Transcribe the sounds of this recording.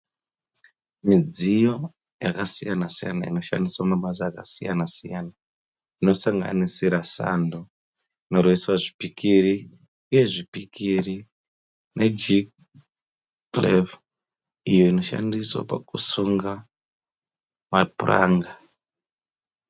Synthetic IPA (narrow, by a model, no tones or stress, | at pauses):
mid͡zijo̞ | jakasijanasija̰naino̞ʃa̰ndiswamaɓazaːkasijanasijana | ino̞saŋɡa̰nisiɾasa̰ndo | ino̞rweswaʐipikiɾi | uje̞ʐipikʰiri | ne̞d͡ʒik | lev | ijo̞ino̞ʃa̰ndiswa̰pa̰kusuŋɡa | mapura̰ːŋɡa